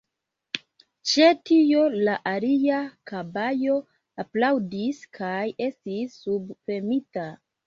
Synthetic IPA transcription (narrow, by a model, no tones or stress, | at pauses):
t͡ʃe̞tio̞laʔaliakabajo̞ | aplawdiskʰaje̞stisːubfemita